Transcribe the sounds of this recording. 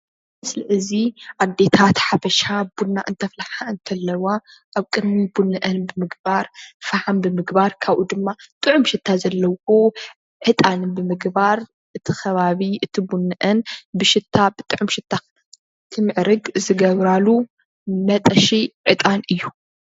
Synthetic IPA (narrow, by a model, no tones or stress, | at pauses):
mɨslɨʕɨziʔad̪e̞t̪ʰat̪ħafɐʃabunːaʔɨnt̪ʰɐflaħaɨnt̪ʰɐlːɐwa | ʔaβkʼɨd̪mibunɨʔɐnbɨmɨɡbaɾfɐħanbɨmɨɡbaɾkʰaβʔud̪ɨmːat̪ʼɨʕʊmʃɪt̪ʰːazɐlːɐwo | ʕɨt̪ʼanɨbɨmɨɡbaɾ | ʔɨt̪ʰixɐβaβiʔɨt̪ʰibunːɨʔɐnbɨʃɪt̪ʰːabɨt̪ʼɨʕʊmʃɪt̪ʰːa | t̪ʰɨmɨʕɾɨɡzɨɡɐβɾalu | mɐt̪ʼɐʃiʕɨt̪ʼanʔɨjːu